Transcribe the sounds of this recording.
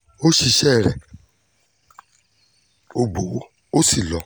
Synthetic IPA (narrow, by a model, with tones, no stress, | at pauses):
o˦ʃi˧ʃɛ˦˨ɾɛ̰˨ | o˧ɡ͡bo˨˦ | o˦si˦˨lɔ˨˦